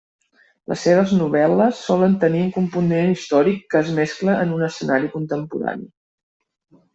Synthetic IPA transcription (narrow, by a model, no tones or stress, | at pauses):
lə̰sːeβəznuβ̞ɛləsːɔlənt̪əniuŋkumpunenist̪ɔɾikːəːzmɛskləʔənunəsənaɾikunt̪əmpuɾa̰nḭ